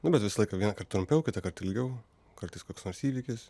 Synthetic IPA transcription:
nʊbʲɛt̪ʋʲɪsɐlˠɐɪkɐʋʲiɛnɐkɐrt̪̚t̪ɾʊmʲpʲɛʊkʲɪt̪ɐkɐɾt̪ɪlʲɡʲɛʊ | kɐɾt̪ɐɪskoːkʲsnoːɾsiːʋʲikʲɪs

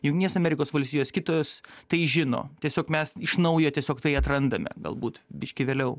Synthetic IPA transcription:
jʊŋkt̪ʲinʲeɛsɐmʲɛɾʲɪkoːsʋɐlʲst̪ʲiːjoːskʲɪt̪oːost̪ɐɪʒʲɪno̰ːt̪ʲiɛsʲoːkmʲɛsɪʃnɐʊjoːt̪ʲiɛsʲoːkt̪ɐɪɐt̪ɾɐnd̪ɐmʲɛ̰ɡɐ̰lˠbuːt̪bʲɪʃʲkʲɪʋʲeːlʲɛʊ

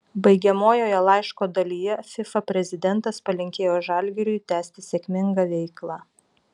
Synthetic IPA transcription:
bɐɪɡʲɛmoːjoːjɛlˠɑɪʃkoːd̪ɐlʲiːjɛfʲɪfɐpʲɾʲɛzʲɪd̪ʲɛnˑt̪ɐspɐlʲɪŋʲkʲeːjoːʒɑˑlʲɡʲɛɾʲʊjt̪ʲæːsʲt̪ʲɪsʲɛːkʲmʲɪŋɡɐʋʲɛɪklˠɑ

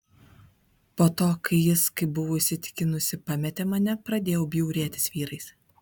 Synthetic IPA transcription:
poːt̪oːkɐɪjɪskɐɪbʊʋoːɪʃʲsʲɪt̪ʲɪ̥kʲɪnʊsʲɪpɑmʲɛt̪ʲɛmɐnʲɛpɾɐd̪ʲeːjɛʊbʲjɛʊɾʲeːt̪ʲɪ̥sʋʲiːɾɐɪs

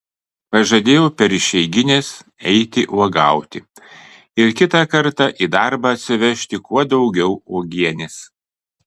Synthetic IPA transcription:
pɐʒɐd̪ʲeːjopʲɛɾɪʃʲɛɪɡʲɪnʲeːsɛɪt̪ʲɪʔuɔɡɑˑʊt̪ʲɪ | ɪɾkʲɪt̪ɐkɐɾt̪ɑʔiːd̪ɑˑɾbɐɐt̪ʲsʲɪʋʲɛʃʲt̪ʲɪkuɔd̪ɒʊɡʲɛʊuɔɡʲiɛnʲɪs

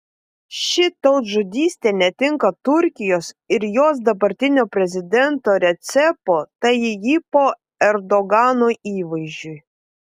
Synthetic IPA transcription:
ʃʲɪt̪ɒʊt̪ʒʊd̪ʲiːsʲt̪ʲeːnʲɛt̪ʲɪŋkɐt̪ʊɾʲkʲɪjoːsɪɾjoːs̬d̪ɐbɐɾʲt̪ʲɪnʲoːpʲɾʲɛzʲɪd̪ʲɛnt̪oːɾʲɛt̪sʲɛpoːt̪ɐɪɪjipoː | ɛɾd̪ɔɡɑːnoiːʋɐɪʒʲd͡ʒʲʊj

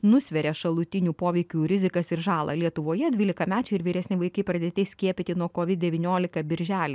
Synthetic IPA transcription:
nʊssʲʋʲɛɾʲeːʃɐlˠʊt̪ʲɪnʲuːpoːʋʲɛɪkʲuːɾʲɪzʲɪkɐsɪɾʒɑːlˠɐ̰lʲiɛt̪ʊʋoːjɛd̪ʲʋʲiːlʲɪkɐmʲæːt͡ʃʲɛɪɪɾʋʲiːɾʲɛsʲnʲɪʋɐɪkɐɪpɾɐd̪ʲeːt̪ʲɛɪsʲkʲiɛpʲɪt̪ʲɪnuɔkoːʋʲɪt̪̚d̪ʲɛʋʲinʲoːlʲɪkɐbʲɪɾʲʒʲæːlʲɪ

